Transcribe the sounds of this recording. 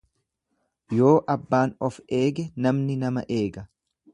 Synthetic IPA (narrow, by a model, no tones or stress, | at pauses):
jo̞ːʔɐbːaːnɔfe̞ːɡɛnɐmnɪnɐmɐ̰ʔe̞ːɡɐ